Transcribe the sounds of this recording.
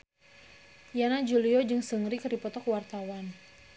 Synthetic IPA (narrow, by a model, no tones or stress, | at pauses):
janad͡ʒuliɔd͡ʒɨŋsəŋɾikripɔt̪ɔkwart̪awan